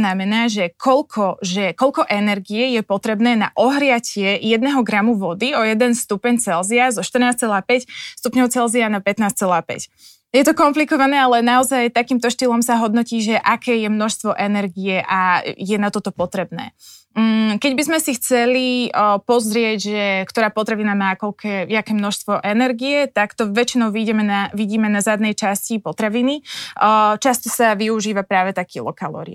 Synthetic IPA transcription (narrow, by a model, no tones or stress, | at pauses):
namɛnaːʒɛkʰɔlkʰɔʒɛkɔʎkɔʔɛnɛɾɡiɛjɛpɔt̪ɾɛbnɛːna̰ʔɔɦɾɪacɪɛjɛd̪nɛɦɔɡɾamuʋɔd̪iɔjɛd̪ɛnst̪upɛɲt͡sɛlziazɔʃt̪r̩naːst͡sɛlaːpɛcst̪upɲɔʊt͡sɛlzianapɛt̪naːst͡sɛlaːpɛ̰c | jɛt̪ɔkɔmplikɔʋanɛːalɛnaɔzajt̪akiːmt̪ɔʃt̪ilɔmsaɦɔd̪nɔciːʒɛʔakɛːjɛmnɔʃst̪ʋɔʔɛnɛɾɡijɛʔajɛnat̪ɔt̪ɔpɔt̪ɾɛbnɛ̰ː | kɛɟbizmɛsixt͡sɛlipɔzɾɪɛɟʒɛkt̪ɔɾaːpɔt̪ɾaʋinamaːkɔlkʰɛːakɛːmnɔʃst̪ʋɔʔɛnɛɾɡijɛt̪akt̪ɔʋɛt͡ʃinɔʊʋiɟɛmɛnaʋiɟiːmɛnazad̪nɛjt͡ʃascipɔt̪ɾaʋini | t͡ʃast̪ɔsaʋiuʒiːʋapɾaːʋɛt̪akiːlˠɔ̰kalɔ̰ɾḭa̰